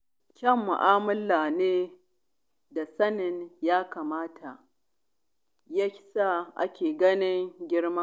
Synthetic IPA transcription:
kʲɐ˦˨mːʊ̰˨ʔaː˦mʊ˦lːaː˨neː˦ | da˨sɐ˦nɪ˨njaː˦kaː˨maː˦tʰa˨ʔ | ja˦sa˦ʔa̰˦kʲeː˨ɡɐ˦nɪ˦ŋɡʲɪ˦ɽma˦

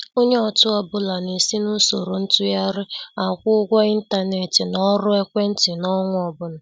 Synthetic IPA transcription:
o˦ɲe˦ɔ˨tʊ˦ɔ˨bʊ˦la˨ni˨si˦nʊ˦so˨ɾo˨n̩˦tʊ˦ja˦ɾɪ˦a˨kʷʊ˦ɡʷɔ˦i˦n̩˦ta˦ne˨ti˨nɔ˦ɾʊ˦e˦kʷe˦n̩˦tɪ˨nɔ˦ŋʷʊ˦ɔ˨bʊ˦nʊ˨

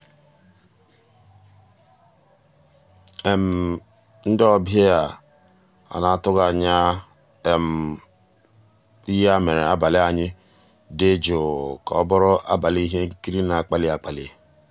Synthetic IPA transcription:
e˨m̩˨ | n̩˦dɔ˦be˦ja˨ | a̰˨na˨˦˨tʊ˦ɣa˨ɲa˦ | e˦˨m̩˨ | i˦ja˦me˨ɾe˨a˦ba˨lɪ˦a˨ɲɪ˦ | de˦d͡ʒo˨ka˨ɔ˦bɔ˦ɾʊ˦ʔa̰˦ba˨li˦i˦ɦe˦ŋ̩˦ki˦ɾi˦na˨k͡pa˨lɪ˦a˨k͡pa˨lḭ˨

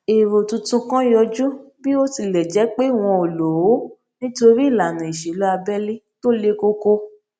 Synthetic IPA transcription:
e˨ɾo˨tũ˧tũ˧kã˦jɔ˧d͡ʒu˦bi˦o˦ti˧˨lɛ˨d͡ʒɛ˨˦k͡pe˦˨w̃ɔ̃˧o˨lo˨˦ | nĩ˦to˧ɾi˦˨la˨nã˨i˨ʃe˨lu˦a˧bɛ˦li˦to˦le˦ko˦ko˧

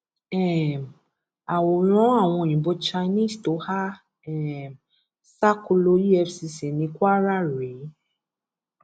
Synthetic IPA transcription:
ɛ˦˨m | a˨wo˨ɾ̃ɔ̃˨˦a˦˨w̃ɔ̃˧˨ĩ˨bo˧t͡ʃa˧i˧nĩ˦˨sto˨˦ha˦ | ɛ˨ | sa˦ku˧lo˧ji˦ɛ˧fsi˧se˨nĩ˨˧˦kʷwa˦ɾa˦˨ɾe˨˦

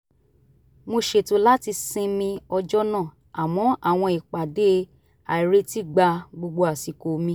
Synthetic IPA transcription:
mo˧ʃe˨to˨˦la˦ti˧sĩ˧mĩ˧ɔ˧d͡ʒɔ˦nã˦˨ | a˨mɔ̃˨˦ʔa˦˨w̃ɔ̃˧i˨k͡pa˨de˨˦ | a˨i˨ɾe˨˦ti˦ɡ͡ba˧ɡ͡bo˧ɡ͡bo˧a˨si˨ko˨mĩ˧˦

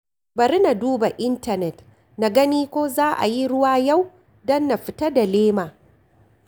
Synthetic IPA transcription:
bɐ˨ɾi˦na˨duː˦ba˨ʔɪ˦ntɐ˨nɛ˨t | na˨ɡɐ˦niː˦kʷoː˦zaː˦ʔa̰˨ji˦ɽʊ˦waː˦ja˦˨w | dɔ˦nːa˨ɸɪ˨ta˦da˨leː˦maː˨

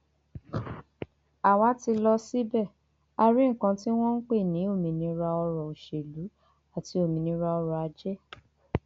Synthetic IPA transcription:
a˨wa˨˦ti˧lɔ˧si˦bɛ˦˨ | a˧ɾi˦ŋ̩˦˨kã˧ti˦w̃ɔ̃˦n̩˦k͡pe˦˨nĩ˨˦o˦˨mĩ˧nĩ˧ɾa˧ɔ˧ɾɔ˨o˨ʃe˨lu˨˦ | a˦˨ti˨˧o˨mĩ˧nĩ˧ɾa˧ɔ˧ɾɔ˨a˧d͡ʒɛ˦

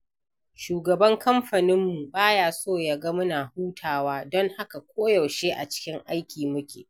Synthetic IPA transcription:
ʃuː˨ɡɐ˨bɐ˦ŋkʰɐ˦mɸɐ˨nɪ˦mːu˨baː˦jaː˦soː˦˨ja˦ɡɐ˦mʊ˦naː˨huː˦tʰaː˨waː˦dɔ˦ŋha˦ka˨kʷʰoː˦jɐ˨wʃeː˦ʔa̰˨t͡ʃɪ̥˦kʲɪ˦ŋʔa˦jkʲiː˨mʊ˦kʲḛː˨

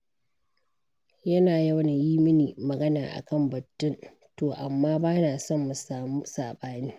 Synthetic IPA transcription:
jɐ˦naː˨ja˦wna˨jiː˦mɪ˦niː˨mɐ˨ɡɐ˦naː˨ʔa̰˨kɐ˦˨mbɐ˨tːʊ˦n | toː˨ʔa˨mːaː˦baː˦naː˨sɔ˦˨mːu˨saː˨muː˦saː˨ɓaː˦niː˦

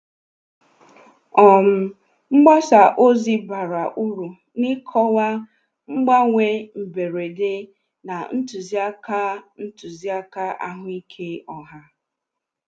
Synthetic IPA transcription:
ɔ˨m̩˦ | ŋ͡m̩˦ɡ͡ba˦sa˨ʔo˦zi˦ba˨ɾa˨ʔu˦ɾu˨ | ni˦kʰɔ˦wa˦ | ŋ͡m̩˦ɡ͡ba˦ŋʷe˦m̩˨be˨ɾe˨de˦ | na˨n̩˦tu˨zi˦a˦ka˦n̩˦tu˨zi˦a˦ka˦ʔa̰˦ɦʊ˦i˦kʰe˦ɔ˨ɦa˦

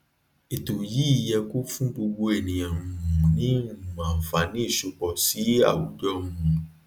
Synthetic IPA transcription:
e˨to˨ji˨˦˨jɛ˧ko˦fũ˦ɡ͡bo˧ɡ͡bo˧ɛ˨nĩ˨j̃ã˨ũ˧˨ũ˨nĩ˨˦ũ˦˨mãː˨fa˨˦nĩ˦i˦˨ʃu˧k͡pɔ˨si˨˦a̰˦˨wu˨˦d͡ʒɔ˦ũ˦ũ˨

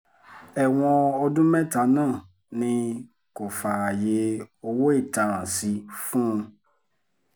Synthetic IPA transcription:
ɛ˨w̃ɔ̃˦ɔ˦dʊ̃˦mɛ̃˦ta˨˦nãː˦˨ | nɪ̃˦ | ko˨fa˨je˨o˦wo˦e˦˨tã˨ɾã˨si˧fũ˦˧

